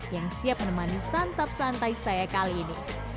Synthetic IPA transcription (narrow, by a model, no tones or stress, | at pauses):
jaŋsiap̚mənəmanist̪ant̪ap̚sant̪aisajakaliːni